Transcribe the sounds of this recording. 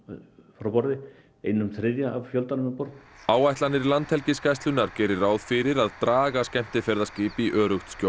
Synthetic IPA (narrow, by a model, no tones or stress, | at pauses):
fɾawpɔɾðɪ | ejnʏmθʰɾɪðjaavfjœlt̪anʏmɛpɔɾt̪naːwajht̪lanːɪɾlant̪hɛlcɪskajst̪lʏnːaɾ̥cɛːɾɪɾaːwðfɪɾɪɾaðt̪ɾaːɣascɛm̥t̪ɪfɛɾðascɪːpɪiʔœːɾʏxt̪sco